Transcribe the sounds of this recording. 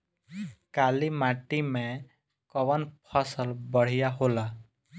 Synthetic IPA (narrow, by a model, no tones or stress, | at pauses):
kalimaʈime | kɔbʌnpʰʌsʌlbʌɽ̤ijaɦola